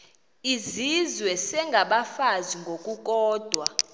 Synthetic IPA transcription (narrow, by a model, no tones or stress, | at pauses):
izizwɛsɛŋɡʱaɓafaziŋɡʱokʼukʼɔːd̥ʱwa